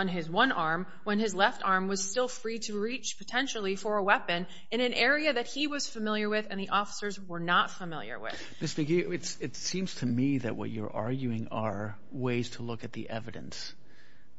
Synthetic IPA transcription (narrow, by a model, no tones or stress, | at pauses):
ə̃nɪzwʌ̃nʔɑɹm | wə̃nɨzlɛftɑɹmwʌz̥stɪlˠfɹiɾɨɹit͡ʃpʰɨtʰɛ̃nʃl̩ˠifə˞əwɛpɨ̃n | ɨ̃ñɨ̃nʔɛɹiɨðɨt̚hiwʌz̥fɨmɪlˠjə˞wɪðɨ̃nðiʔɔfə̥sə˞zwə˞nətfəmɪlˠjə̰˞wɪ̰ð̥ | mɪstə˞ɡiɪtsɨtsĩmz̥tʰɨmiðɨ̰ʔ̚wʌ̰t͡ʃə̰˞ʔɑ̰ɹɡjʉɪ̃ŋə˞ | weɪz̥tʰəlʊkɨt̪̚ðḭʔɛvɨɾɨ̰̃ns